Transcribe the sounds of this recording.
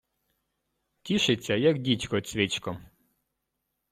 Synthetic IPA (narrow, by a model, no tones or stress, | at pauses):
tʲiʃɪt͡sʲːɐjɐkdʲit͡ʃkɔt͡sʲʋʲit͡ʃkɔ